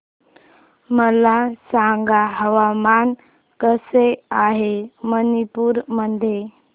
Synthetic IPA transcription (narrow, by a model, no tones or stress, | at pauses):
məlasaŋɡaɦəʋaman | kəseaɦemənipuːɾməd̪ʱje